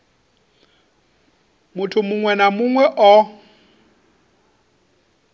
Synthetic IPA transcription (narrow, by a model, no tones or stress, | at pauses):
mʊtʰʊmʊŋwɛnamʊŋwɛʔɔ